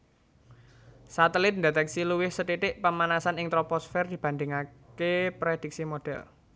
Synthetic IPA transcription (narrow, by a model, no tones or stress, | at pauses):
sat̪əlɪt̪̚ndet̪ɛksiluwɪhsət̪iʈ̪ɪʔpəmanasanɪŋt̪ɾopɔsfɛrd̪̥i̤b̥a̤nd̪ɪŋa | kepɾed̪̥ik̚simoɖ̥ɛ̰l